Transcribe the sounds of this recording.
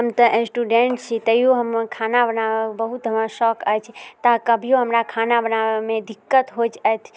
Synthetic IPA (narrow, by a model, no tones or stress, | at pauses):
ɦəmt̪əʔẽsʈuɖeɳʈt͡ʃʰit̪əijoɦəmkʰanabənaʋəbəɦut̪məʃɔkət͡ʃʰt̪akəbʱijõɦəmɾakʰanabənaʋemẽd̪ɪkːət̪ɦod͡ʒət̪ʰ